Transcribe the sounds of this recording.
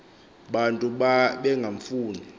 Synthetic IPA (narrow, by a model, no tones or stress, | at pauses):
ɓantʼuɓaɓɛŋɡʱaɱfuːni